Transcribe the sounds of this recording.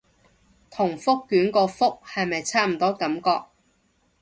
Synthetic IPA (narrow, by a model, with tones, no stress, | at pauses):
t̪ʰʊ˨˩ŋfʊ˥kːyː˨˥nkɔː˧fʊ˥k̚hɐ˨jmɐ˨jt͡sʰaː˥m̩˨˩t̪ɔː˥kɐ˨˥mkɔː˧k̚